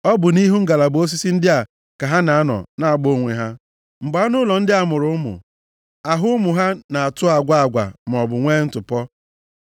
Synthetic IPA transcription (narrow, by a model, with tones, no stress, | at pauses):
ɔ˦bʊ˨ni˦ɦu˦ŋ̩˦ɡa˨la˨bo˦s̬i˦si˦n̩˦dɪ˦a˨ | ka˨ɦa˦na˨a˦nɔ̰˨na˨a˨ɡ͡bo˦ŋʷḛ˨ɦa˦ | mŋ͡m̩˨ɡ͡ba˨˦a˦nʊ˦lɔ˨n̩˦dɪ˦a˨mʊ˨ɾʊ˨˦ʊ˦mʊ̰˨ | a˨ɦʊ˦ʊ˦mʊ˨ɦa˦na˨a˨tʊ˦a˨ɡʷa˦a˨ɡʷa̰˨m˨ɔ˨bʊ˨ŋʷe˦n̩˦tʊ˨pɔ˦